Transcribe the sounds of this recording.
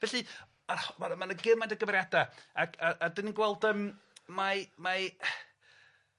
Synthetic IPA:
vɛɬi | amamanəɡɪmandəɡəvɾjadaakʰaʔadɪninɡwɛlˠdəm | mama

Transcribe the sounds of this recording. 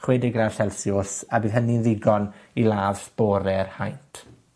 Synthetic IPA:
χwɛdɪɡraɬɛlsjʊsabiːðɦəninðɪɡɔnilˠaːvsb̥ɔɾɛrhajntʰ

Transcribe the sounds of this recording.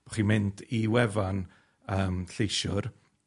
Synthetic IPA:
b̥ɔ̥χinmɪndiwɛvan | əːmɬejʃʊr

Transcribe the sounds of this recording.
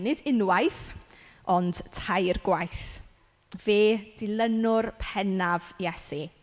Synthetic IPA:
nɪdɪnwajθ | ɔnd̥tʰajrɡwajθ | veːd̥ɪlˠənʊrpʰɛnavjɛsi

